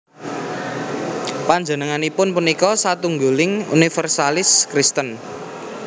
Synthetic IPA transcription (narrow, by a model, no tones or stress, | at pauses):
paɲd͡ʒə̤nəŋanipʊnpunikɔsat̪uŋɡulɪŋṵnifərsalɪskɾist̪ən